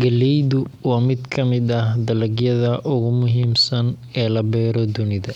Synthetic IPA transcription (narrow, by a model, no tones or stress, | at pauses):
ɡɐlɛjðʊwɑːmɪd̪kʰɐmɪd̪ɐhd̪ɐlɐɡjɐðɐʔʊɣʊmʊɦiːmsɐn | ɛːlɐbɛːɾɔd̪ʊnɪðɐ